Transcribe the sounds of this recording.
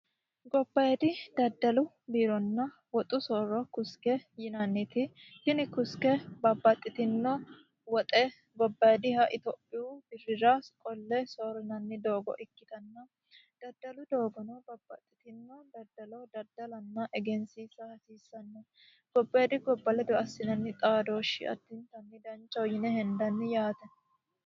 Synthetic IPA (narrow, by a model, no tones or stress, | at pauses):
ɡɔbːɐjɛd̪ɪd̪ɐd̪ːɐlʊ | biːɾɔnːɐ | wɔt̪ʼʊsoːɾɔkʊskɛjɪnɐnːɪt̪ɪhɪnɪkʊskɛbɐbːɐt̪ʼːɪt̪ɪnːɔ | wɔt̪ʼɛ | ɡɔbːɐjɛd̪ɪhɐʔɪt̪oːpʼːɪjubɪrːɪɾaskʼɔlːɛsoːɾɪnɐnːɪd̪o̞ːɡɔ̰ʔɪkːɪt̪ɐnːɐ | d̪̥ɐd̪ːɐlʊd̪o̞ːɡɔnɔbɐbːɐt̪ʼːɪt̪ɪnːɔd̪ɐd̪ɐlɔd̪ɐd̪ːɐlɐnːɐʔɛɡɛnsiːsɐhɐsiːsːɐnːɛ | ɡ̥ɔbːɐd̪ɪɡɔbːɐlɛd̪ɔɐsːɪnɐnːɪt̪ʼaːd̪o̞ːʃːɪ̰ɐ̰t̪ːɪnt̪ɐnːɪd̪ɐnt͡ʃːɔwjɪnɛhɛnd̪ɐnːɪjaːt̪ɛn